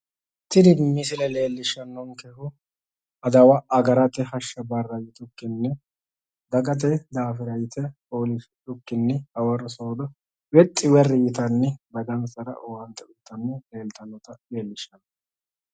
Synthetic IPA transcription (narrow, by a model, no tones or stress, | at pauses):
t̪ɪd̪ɪmɪs̬ɪlɛle̞ːlːɪʃɐnːɔŋkɛhʊ | ɐd̪ɐwɐʔɐɡɐɾɐt̪ːɛhɐʃːɐbɐrːɐjɪt̪ʊkːɪnːɛ | d̪ɐɡɐt̪̬ɛd̪aːfɪɾɐjɪt̪ɛpoːlɪs | ʊkːɪnːɛɐwɐrɔsoːd̪ɐ | wɛt̪ʼːɪwɛrːɪjɪt̪ɐnːɛbɐd̪ɐnsɐɾɐ̰ʔɔwɐnt̪ːɛʊt̪ːɐnːɛleːlt̪ɐnːɔt̪ɐleːlːɪʃːɐn